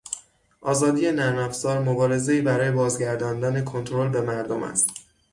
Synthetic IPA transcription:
ʔɒːzɒːd̪ije̞næɾnæfzɒːɾmobɒːɾe̞ze̞iːbæɾɒːje̞bɒːzɟæɾd̪ɒːnd̪ɒːne̞kʰo̞nt̪ʰoɾolbe̞mæɾd̪omæ̰st̪

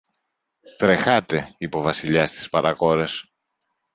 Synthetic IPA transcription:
t̪ɾe̞xɐt̪e̞ipo̞vɐsiʎɐst̪i̥spɐɾɐko̞ɾe̞s

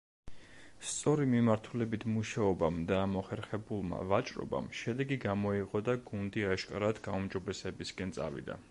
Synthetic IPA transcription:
st̪sʼɔɾimimaɾt̪ʰulɛbit̪ʰmuʃaɔbamd̪aːmɔχɛɾχɛbulˠma̰vat͡ʃʼɾɔ̰ba̰mʃɛd̪ɛɡiɡamɔiqʼɔd̪aɡund̪iaʃkʼaɾad̪ɡaumd͡ʒɔbɛsɛbiskʼɛnt̪sʼa̰vḭd̪a̰

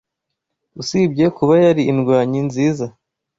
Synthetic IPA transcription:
usibɟe̞kuβajaɾiːnɡwaːɲinziːza

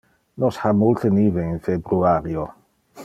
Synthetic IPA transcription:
nɔshamulɬənivɛnfɛbruaɾjɔ

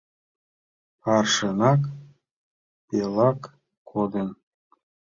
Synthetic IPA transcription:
ɑrʃənɑk | pelɑkːʰ | od̪ən

